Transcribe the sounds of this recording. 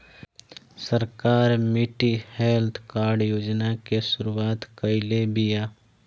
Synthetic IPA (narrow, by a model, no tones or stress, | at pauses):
səɾkaːɾmiʈihelt̪ʰkaːɾɖjoːd͡ʒnakesʊɾuaːt̪kəɪlebija